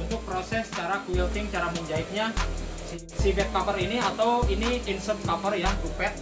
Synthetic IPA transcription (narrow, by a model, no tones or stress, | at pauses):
np̪ʊk̚pɾosɛst͡ʃaɾakuilt̪ɪŋt͡ʃaɾamuɲd͡ʒaɪt̪̚ɲa | sifɛt̪̚kapəɾiniat̪awiniinsəp̚kapərjaŋtupɛt̪̚